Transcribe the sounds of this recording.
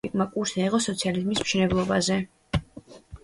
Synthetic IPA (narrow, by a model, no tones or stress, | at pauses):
ikʼmakʼuɾsnaiʁʼɔsɔt̪sʰializmismʃɛnɛblˠɔbazɛ